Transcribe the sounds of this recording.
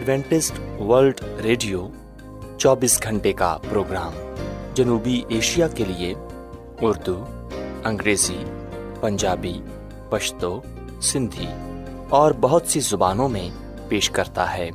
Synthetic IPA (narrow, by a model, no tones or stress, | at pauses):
əɖʋɛ̃ːɳʈɪsʈʋəɾlɖɾeːɖijo | t͡ʃɔːbiːsɡʱɐ̃ɳʈeka̰pɾoːɡɾaːmd͡ʒɐnuːbiʔeːʃijakelie | ʊɾd̪u | ɐ̃ŋɡɾeːzi | pɐ̃ɲd͡ʒaːbi | pɐʃt̪o | sɪ̃nd̪ʱi | ɔːɾbɐɦʊt̪sizʊbaːnõmẽ | peːʃkɐɾt̪a̰ɦɛː